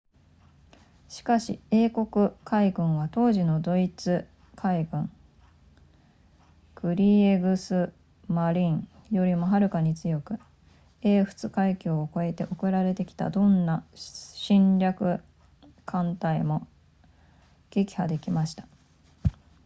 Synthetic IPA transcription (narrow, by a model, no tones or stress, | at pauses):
ɕi̥kaɕie̞ːko̞kɯ̟kʰaiɡɯ̟̃ɰ̃βat̪o̞ːʑino̞d̪o̞it͡sɨ | kʰaiɡɯ̟̃ɴ | kɯ̟ɾʲiːeɡɯ̟sɨ | maɾʲĩɴjo̞ɾʲimo̞ɦaɾɯ̟kaɲ̟it͡sɨjo̞kɯ̟ | e̞ːɸɯ̟̥t͡sɨkaikʲoːko̞e̞t̪e̞̰ʔo̞kɯ̟ɾaɾe̞t̪e̞kʲi̥t̪a̰d̪õ̞nːaɕĩɲɾʲakɯ̟ | kʰãnt̪aimo̞ | ɡ̥e̞kʲi̥had̪e̞kʲimaɕi̥t̪ḁ